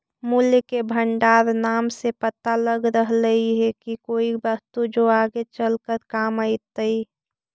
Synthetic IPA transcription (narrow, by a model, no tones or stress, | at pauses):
muljkebʱəɳɖaːɾnaːmsepət̪aləɡɾəɦləiɦɛkikoːibəst̪ud͡ʒoaːɡet͡ʃəlkəɾkaːmaɪt̪əi